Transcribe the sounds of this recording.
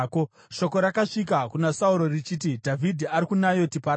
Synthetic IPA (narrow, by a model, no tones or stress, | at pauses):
ko | ʃo̞ko̞ɾakaʂik̬akunasauɾo̞rit͡ʃitidʱavʱidʱiaɾikunajo̞tipa